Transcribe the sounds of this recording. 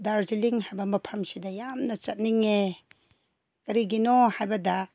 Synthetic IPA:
daɾziliŋɦajbɐmɐpʰɐmsidɐjamnɐt͡ʃɐt̚niŋe | kɐɾiɡinohajbɐdɐ

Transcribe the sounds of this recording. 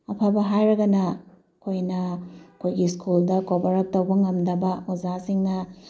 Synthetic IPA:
ɐpʰabɐɦajɾɐɡɐnɐ | kʰojnɐkʰojɡiskuldɐkobɐɾɐk̚tɐwbɐŋɐmdɐbɐozasiŋnɐ

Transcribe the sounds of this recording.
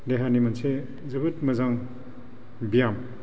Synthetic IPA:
deɦanimɐnse | zɐbɯtmɐzaŋ | bijam

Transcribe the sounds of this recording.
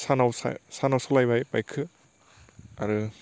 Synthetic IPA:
sanawsa̰sanawsalajbajpa̰jkʰɯ | aɾɯ

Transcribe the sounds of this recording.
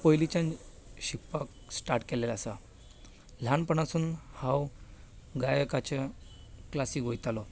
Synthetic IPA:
pɔjlit͡ɕãn | ɕipːak | sʈaɾʈkɛlelasa | l̤ʱanpəɳasuːnhaw | ɡajəkat͡ɕeklasiːkʋojt̪alɔ

